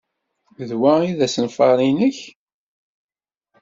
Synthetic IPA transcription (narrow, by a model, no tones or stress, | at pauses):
ðwæiðæsənfɑ̰ɾˤinəç